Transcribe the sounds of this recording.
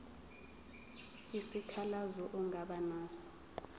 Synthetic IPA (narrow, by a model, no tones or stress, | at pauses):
isikʰalazɔʔuŋaɓanaːsɔ̥